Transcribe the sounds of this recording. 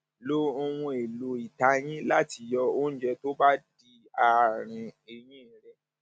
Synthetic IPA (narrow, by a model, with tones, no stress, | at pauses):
lo˦o˧w̃ũ˧e˨lo˨i˨ta˧˦j̃ĩ˦la˦ti˧jɔ˧o˦n̩˦d͡ʒɛ˧to˦ba˦di˧ | a˨ɾ̃ĩ˧e˨j̃ĩ˦ɾɛ˦